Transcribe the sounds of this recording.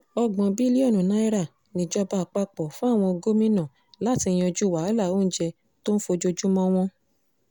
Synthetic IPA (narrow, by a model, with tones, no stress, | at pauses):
ɔ˧ɡ͡bɔ̃˨bi˦li˦ɔ˦˨nũ˨nã˦i˦ɾa˦˨ | nĩ˨d͡ʒɔ˧ba˧˨k͡pa˧k͡pɔ˨fũ˦a˦˨w̃ɔ̃˧o˧ɡo˦mĩ˦nã˦˨ | la˦˨ti˧j̃d͡ʒu˦˨wa˨˦la˦˨o˦˨n̩˦d͡ʒɛ˧ | to˦n̩˦fo˧d͡ʒo˧d͡ʒu˦mɔ̃˦w̃ɔ̃˦